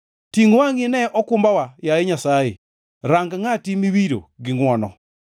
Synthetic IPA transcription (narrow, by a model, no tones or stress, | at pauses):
tiŋuwaŋinɛʔɔkumbawajaeɲasaje | ɾaŋɡaŋatimiβiɾo̰ɡiŋwɔnɔ